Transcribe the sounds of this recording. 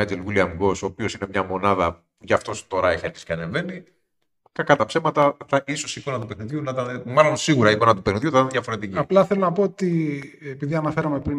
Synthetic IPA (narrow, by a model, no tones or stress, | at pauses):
ɐd͡ʒelɣiliɐmɡo̞so̞ːpio̞sine̞mɲɐmo̞nɐðɐ | ʝɐft̪o̞st̪o̞ɾɐeçieɾçi̥si̥cʲeɐne̞ve̞ni | kɐkɐt̪ɐpse̞mɐt̪ɐt̪ɐʔiso̞siko̞nɐt̪upexniðʝunɐt̪ɐmɐlo̞nsiɣuɾɐiko̞nɐt̪upexniðʝut̪ɐt̪nðjʝɐfo̞ɾe̞t̪iciɐplɐθelonɐpo̞ot̪iepiðiɐnɐfe̞ɾɐme̞pɾi